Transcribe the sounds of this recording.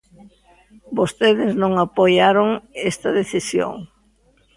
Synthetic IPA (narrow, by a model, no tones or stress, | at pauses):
bost̪eðɪznõŋapojaɾoŋɛst̪ɐðeθisjo̰ŋ